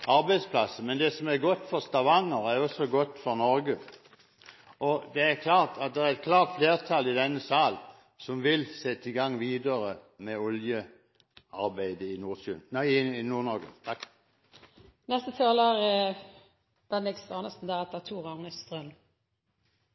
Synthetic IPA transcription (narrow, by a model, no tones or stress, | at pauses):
ɑɾbæɪd̪spʰlɑsəmɛnd̪ɛsɔmæɾɡɔt̪ːfɔʁst̪ɑʋɑŋːəɾæɾjɔsɔɡɔt̪ːfɔʁnɔɾɡə | ʔɔd̪ɛæɾkʰlɑːʁt̪ɑt̪̚d̪ɛæɾɛt̪̚kʰlɑːʁt̪fleːʁt̪ʰɑlɪd̪ɛnːəsɑːl | sɔmʋɪlsɛt̪ːəɪɡɑŋːʋiːd̪əʁəmɛɔljə | ɑɾbæɪd̪əɪnuːsʉɪɪnuːɾnɔɾɡə̰ | nɛst̪ət̪ʰɑːləʁə | d̪̥ɛnɛkst̪ɑːnəst̪n̩d̪æːɾɑt̪̚d̪ɛæt̪ʰuːʁɑŋnəst̪ʁœm